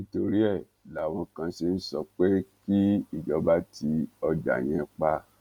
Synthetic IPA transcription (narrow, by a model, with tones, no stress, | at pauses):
nĩ˦to˧ɾi˦ɛ˦˨ | la˨w̃ɔ̃˧kã˧ʃe˧n̩˦sɔ˧k͡pe˦ki˦i˦˨d͡ʒɔ˨˦ba˦tʰi˧ɔ˧da̰˨j̃ɛ̃˧k͡pa˧˦